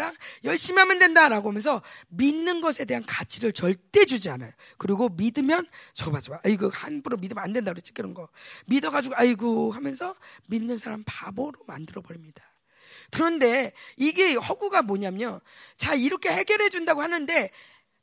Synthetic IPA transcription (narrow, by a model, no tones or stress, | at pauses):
ajʌɭɕ͈imiɦamjʌndwe̞ndaɾaɡoɦamjʌnsʰʌminːɯnɡʌsʰe̞de̞ɦankat͡ɕʰiɾɯɭt͡ɕʌɭt͈e̞d͡ʑud͡ʑiana̰jo | kɯɾiɡomidɯmjʌnt͡ɕʌbad͡ʑimaːiɡɯhanbuɾomidɯmandwe̞ndakɯɾt͡ɕ͈ʰi̥kɯɾʌnɡʌmidʌɡad͡ʑuɡoaiɡoɦamjʌnsʰʌminːɯnsʰaɾampaboɾoma̰ndɯɾʌbʌɾimɲidḁ | kɯɾʌnde̞iɡe̞hʌɡuɡamoɲamʌt͡ɕaiɾʌkʰe̞he̞ɡjʌɾɦe̞d͡ʑundaɡohanɯnde̞